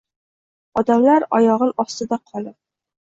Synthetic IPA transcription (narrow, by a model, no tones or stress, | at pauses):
ɒd̪amlaɾɒ̰jɒʁɨlɒst̪ɪd̪aqʰɒlˠɪp̚